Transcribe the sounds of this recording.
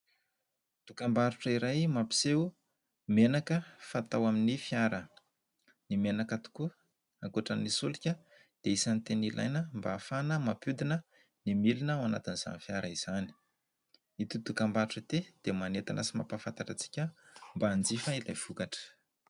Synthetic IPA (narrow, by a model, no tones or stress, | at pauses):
d̪̥ukambaɾuʈ͡ʂəiɾajmapi̥se | menakəfat̪awaminifjaɾə | nimenakat̪u̥ku | aŋkuʈ͡ʂanisulikʲə | d̪̥eisant̪enila̰jnəmbaːfanəmapud̪inə | nimilinəwanat̪iniz̥a̰nifjaɾaiz̥ani̥ | it̪ud̪ukambaɾuʈ͡ʂət̪ed̪̥emanet̪a̰nʔa̰sima̰pafant̪aʈ͡ʂat͡si̥kʲəmbaːnd͡zifəilajv̥ukaʈ͡ʂə̥